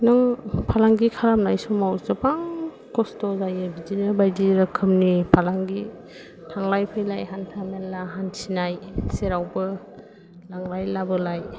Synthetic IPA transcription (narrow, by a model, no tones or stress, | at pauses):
naŋpʰalaŋɡikʰaɾamnajsɔmawzapaŋ | kɔstɔzajɯbid͡ʒinəɾbajdiɾakʰɯmnipʰalaŋɡi | tʰaŋlajpʰɯjlajɦantʰamenːaɦansinajseɾawbɯ | laŋlajlabɯlaj